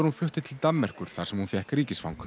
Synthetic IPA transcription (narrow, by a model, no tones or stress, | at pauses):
ɾhunflʏht̪ɪt̪ʰɪlt̪amːɛr̥kʏɾ̥θaɾsɛmhunfjɛhkɾiːcɪsfawŋk